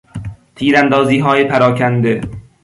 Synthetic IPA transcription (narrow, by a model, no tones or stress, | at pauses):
t̪ʰiːɾænd̪ɒːziːɦɒːjepʰæɾɒːcʰænd̪e